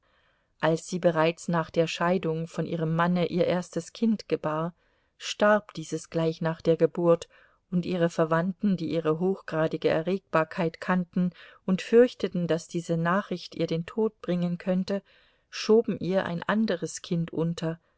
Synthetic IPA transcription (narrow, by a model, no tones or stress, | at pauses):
ʔalsz̥iːbəʁaɪt͡snaːχd̥eːɐʃaɪdʊŋfɔnʔiːʁ̞əmːanəʔiːɐʔeːɐstəskʰɪntɡ̥əbaːɐ | ʃtaɐpd̥iːzəsɡ̥laɪçnaːχd̥eːɐɡəbʊɐt | ʊntʔiːʁ̞əfɛɐvantn̩diːʔiːʁəɦoːxɡ̥ʁaːdɪɡəɛ̰ɐʁeːk̚b̥aːɐkʰaɪtkʰantn̩ʔʊntfʏɐçtətn̩d̥asd̥iːzənaːχʁ̥ɪçtiːɐdeːntʰoːt̚b̥ʁɪŋənkʰœntə | ʃoːbm̩ʔiːɐʔa̰ɪnʔa̰ndəʁəskʰɪntʔʊntʰɐ